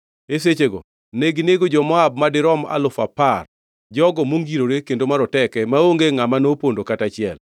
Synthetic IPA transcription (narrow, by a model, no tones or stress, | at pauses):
eset͡ʃeɡɔ̰ | neɡineɡod͡ʒɔmɔab̚madɪɾɔma̰lʊfapar | d͡ʒɔɡɔmoŋɡiɾoɾekendomaɾɔtɛkɛmaoŋɡeŋamanopondokatat͡ʃɪɛ̰l